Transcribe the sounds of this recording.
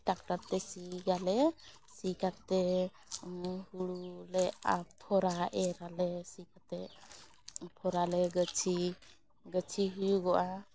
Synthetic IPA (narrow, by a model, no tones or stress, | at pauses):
dak̚ʈaɾt̪ɛsiɡalɛ | sikat̪ɛ | huɽulɛa̰pʰɔɾaʔɛɾalɛsikat̪ɛ | pʰɔɾalɛɡət͡ʃʰi | ɡət͡ʃʰiɦujuɡɔʔa